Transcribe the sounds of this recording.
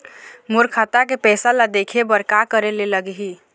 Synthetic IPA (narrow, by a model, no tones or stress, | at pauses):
moɾkʰat̪akepɛːsalad̪eːkʰebəɾkakəɾeleləɡɦi